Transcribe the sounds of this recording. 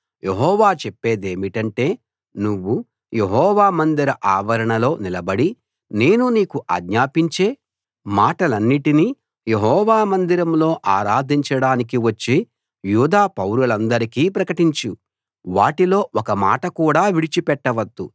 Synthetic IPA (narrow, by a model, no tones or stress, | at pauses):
jʔeɦɔːʋaːt͡ʃepːe̞ːd̪e̞ːmiʈɐɳʈe̞ː | nuʋːu | je̞ɦɔːʋaːmɐnd̪iɾɐʔaːʋɐɾɐɳɐlo̞ːnilɐbɐɽi | ne̞ːnuniːkuʔa̰ːɡɲaːpiɲt͡ʃe̞ː | maːʈɐlɐnːiʈini | jeɦɔːʋaːmɐnd̪iɾɐmlo̞ːʔaːɾaːd̪ʱiɲt͡ʃɐɽaːnik̬iʋɐt͡ʃːi | juːd̪aːpɐwɾulɐnd̪ɐɾikiːpɾɐkɐʈiɲt͡ʃu | ʋaːʈilo̞ːʔɔkɐma̰ːʈɐkuːɽaːʋiɽit͡ʃipɛʈːɐʋɐd̪ːu